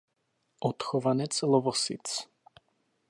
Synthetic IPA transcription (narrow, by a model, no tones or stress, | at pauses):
ɔt̪xɔvanɛt̪sʰlɔvɔsḭt̪sʰ